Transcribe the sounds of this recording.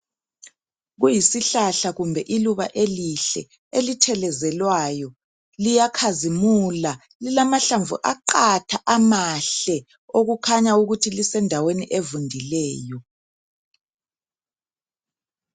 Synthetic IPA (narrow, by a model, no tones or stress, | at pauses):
ɣujisiɬaɬaɣumbʱɛʔiluβaʔeliɬɛ̰ | elitʰɛlɛzɛlwajɔ | lijakʰazimula | lilamaɬaɱvṵʔaǃatʰaʔamaɬɛ | oɣukʰaɲauɣutʰilisɛndʱaweniʔevundʱilɛːjɔ